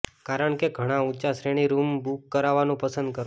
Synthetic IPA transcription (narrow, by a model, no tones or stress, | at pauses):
kaɾəɳkeɡʱəɽ̃ãut͡ʃasɾeɽ̃iɾumbukːəɾaʋanũpəsənd̪̚kəɾ